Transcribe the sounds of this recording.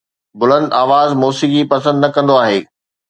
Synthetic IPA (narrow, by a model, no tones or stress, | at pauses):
bʊlə̃nd̪aːʋaːzmɔːsikipɐsə̃nd̪nɐkɐ̃nd̪oaːɦeː